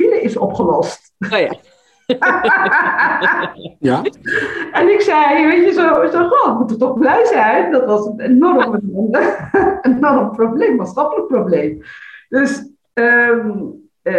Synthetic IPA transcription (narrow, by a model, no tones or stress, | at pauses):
iləɪsɔpχəlɔst | ɛnɪksɛjʋejtjəzoɔχotmutərtɔχblɛjzɛjndɑtʋɑsənenɔrəməən | ənnɔrəmproblejmːaːtsχɑpələk̚prowblejmd̥øs | ə